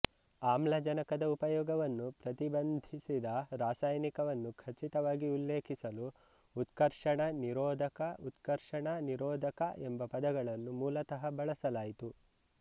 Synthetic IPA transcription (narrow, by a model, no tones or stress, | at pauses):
aːmlɐd͡ʒɐnɐkɐd̪ɐupɐjɔːɡɐʋɐnːupɾɐt̪ibɐnd̪ʱisid̪ɐɾaːsaːjnikɐʋɐnːukʰɐt͡ʃit̪ɐʋaːɡiulːeːkʰisɐluː | t̪kɐɾʂɐɳɐniɾɔːd̪ʱɐkɐut̪kɐɾʂɐɳɐniɾɔːd̪ʱɐkɐʔembɐpɐd̪ɐɡɐɭɐnːumuːlɐt̪ɐɦɐbɐɭɐsɐlaːjit̪u